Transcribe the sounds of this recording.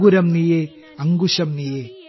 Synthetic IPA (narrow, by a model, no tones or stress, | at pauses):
ɡuɾɐmnije | ɐŋɡuʂɐmnije